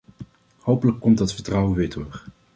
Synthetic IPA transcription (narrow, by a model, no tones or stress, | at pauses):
howpələkːɔmtdɑtfəɹtrɑwəʋɪːɹdʊːɹ